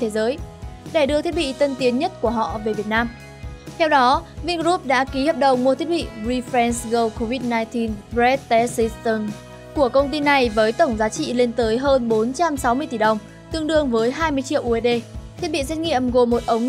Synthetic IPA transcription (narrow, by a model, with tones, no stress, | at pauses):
t̪ʰe˨˦zəː˨˦jɗe˧˩ɗɨ˧ət̪ʰi˦˥ət̚ɓḭ˧˨t̪ə˧nt̪i˨˦ənɲə˦˥t̚ku˧˩əɦɔ̰˧˨ve˨˩vi˨˩ət̚naː˧m | t̪ʰɛ˧wɗɔ˨˦vi˧nzu˦˥p̚ɗa̰ː˧˥ki˨˦həː˨˩p̚ɗə˨˩wmu˧ət̪ʰi˦˥ət̚ɓḭ˧˨ɹi˧fɾɛ˧nsɣə˧wko˧vi˦˥t̚naː˧jt̪i˧nzɛ˦˥t̚t̪ɛ˨˦si˧st̪ə˧n | ku˧˩əkə˧wŋ͡mt̪i˧na˨˩jvəː˨˦jt̪ə˧˩wŋ͡mzaː˨˦t͡ɕḭ˧˨le˧nt̪əː˨˦jɦəː˧nɓo˨˦nt͡ɕa˧msa˨˦wmɨ˧əjt̪i˧˩ɗə˨˩wŋ͡m | t̪ɨ˧əŋɗɨ˧əŋvəː˨˦jɦaː˧jmɨ˧əjt͡ɕḭ˧˨əwʔu˧e˧˩ɗe˧t̪ʰi˦˥t̚ɓḭ˧˨sɛ˦˥t̚ŋḭ˧˨əmɣo˨˩mo˨˩t̚ʔə˨˦wŋ͡m